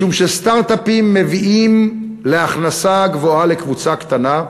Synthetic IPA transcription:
umʃest̪aʁt̪apimːe̞viʔim | leaχnasaɡvo̞alekvut͡sakt̪ana

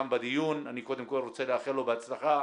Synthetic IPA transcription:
mbad̪ijunaniko̞d̪emkolʁot͡seleaχelo̞beat͡slaχa

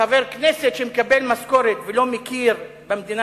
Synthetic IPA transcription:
aveʁkneset̪ʃemekabelmasko̞ʁet̪velo̞mekiʁ | bemd̪ina

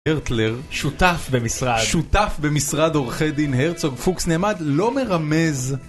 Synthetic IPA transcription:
eʁt̪leʁʃut̪afbemisʁad̪ʃut̪afbemisʁad̪o̞ʁχed̪inheʁt͡so̞ɡfuksneːmad̪lo̞me̞ʁame̞z

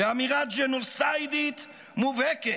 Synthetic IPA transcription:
eamiɾad̪d͡ʒenulsajd̪it̪ | muvɛke

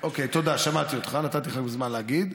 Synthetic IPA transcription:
ʔo̞ke̞jt̪o̞d̪aʃamat̪iot̪χanat̪at̪iχaɡbezmanleaɡid̪

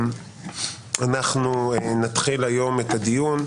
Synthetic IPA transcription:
anaχnunat̪χilajo̞me̞t̪ad̪ijun

